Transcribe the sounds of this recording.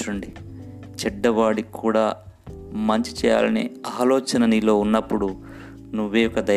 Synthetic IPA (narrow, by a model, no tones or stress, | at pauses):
uɳɖi | t͡ʃɛɖːɐʋaːɽikʰuːɽaː | mɐɲt͡ʃi̥t͡ʃɛːja̰ːlɐnḭaːlɔːt͡ʃɐnɐnilo̞ːunːɐpːuɽu | nuʋːejɔkːɐd̪ɐ